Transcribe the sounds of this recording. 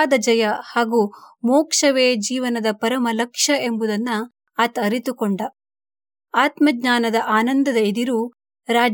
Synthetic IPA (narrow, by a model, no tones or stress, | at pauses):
d̪ɐd͡ʒɐjɐhaːɡumoːkʂɐʋeːd͡ʒiːʋɐnɐd̪ɐpɐɾɐmɐlɐkʂɐʔe̞mbud̪ɐnːɐː | t̪ɐɾit̪ukoɳɖɐ | aːt̪mɐɡɲaːnɐd̪ɐʔaːnɐnd̪ɐd̪ɐid̪iɾu | ɾaːd͡ʒ